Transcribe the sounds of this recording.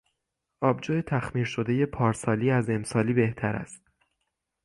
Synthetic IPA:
ʔɒːbd͡ʒoːjet̪ʰæxmiːɾʃo̞d̪e̞je̞pʰɒːɾsɒːliːæze̞msɒːliːbe̞ht̪ʰæɾæ̰st̪̚

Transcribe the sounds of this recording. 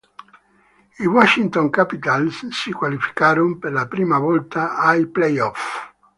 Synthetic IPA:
iwɔʃint̪oŋkapit̪alssikwalifi̥kaːɾompeɾlapɾiːmavɔlt̪aːjplejɔf

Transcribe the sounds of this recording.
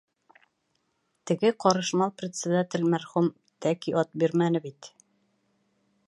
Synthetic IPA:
t̪ɘ̆ɡɘqɒɾɤ̆ʃmɑlˠprʲɪt̪sʲɘd̪at̪ʲɘ̆lmæɾχum | t̪ækiʔɒt̪̚biɾmænɘbit̪

